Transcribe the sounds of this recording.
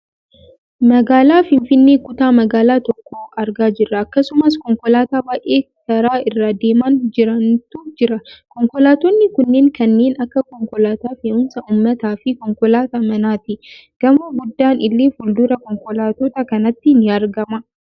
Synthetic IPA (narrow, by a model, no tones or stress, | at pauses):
mɐɡaːlaːfɪnfɪnːe̞ːkʊt̪aːmɐɡaːlaːt̪ɔkːoːʔɐɾɡaːd͡ʒɪrːɐːkːɐsʊmɐskɔŋkɔlaːt̪aːbaːʔe̞ːkɐɾaːɪrːaːd̪e̞ːmand͡ʒɪɾɐnt̪uːd͡ʒɪɾɐkɔŋkɔlaːt̪ɔnːɪkʊnːe̞ːŋkɐnːe̞ːnɐkːɐkɔŋkɔlaːt̪aːfeːʊnsɐʔʊmːɐt̪aːfɪkɔŋkɔlaːt̪amɐnaːt̪ɪɡ̥ɐmɐːɡʊd̪ːaːnɪlːeːfʊld̪ʊɾɐkɔŋkɔlaːt̪ɔt̪ɐkɐnɐt̪ːɪnɪɐɾɡɐmɐ